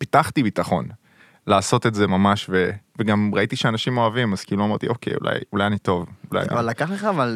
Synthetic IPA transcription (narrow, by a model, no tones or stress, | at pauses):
pitaχt̪ibitaχo̞̰n | laːso̞t̪etze̞mamaʃve̞veɡamʁait̪iʃeanaʃimo̞avimaz̥kiːluamet̪iʔo̞kḛjṵlʔa̰julajanit̪o̞vula̰ja̰ḭvalakaχleχaval